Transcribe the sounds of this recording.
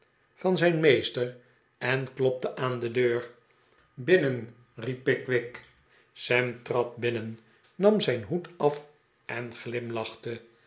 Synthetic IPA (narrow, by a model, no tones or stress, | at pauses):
fɑnzɛjnmejstər | ɛnklɔp̚təʔaːndədøːɹ | bɪnən | ripːɪkʋɪk | sɛmtrɑt̚bɪnənː | ɑmzɛjnɦutɑf | ʔɛnχlɪmlɑχt̪ə